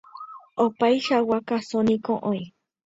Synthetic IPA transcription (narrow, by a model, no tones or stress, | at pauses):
opajʃawakasonĩkõʔõĩ